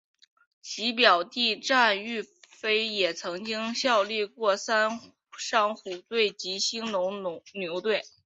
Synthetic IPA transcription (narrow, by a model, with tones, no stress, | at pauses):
t͡ɕʰi˧˥p̬jɑ˨˩ʊt̪i˥˧ʈ͡ʂa˥˧ny˥˩fe˥ɪjɛ˨˩t͡sʰɤ˧˥ŋt͡ɕi˥ŋɕjɑ˥˧ʊli˥˧kwɔ˥˩sa˥n | ʂɑ˥˩ŋxu˨˩t̪we˥˩ɪt͡ɕi˧˥ɕi˥ŋnʊ˧˥ŋ˥njo˧˥ʊt̪we˥˩ɪ